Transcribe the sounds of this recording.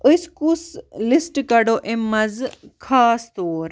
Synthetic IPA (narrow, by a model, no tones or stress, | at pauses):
əskuslisʈkɐɖoʔemːɐzkʰaːst̪oːɾ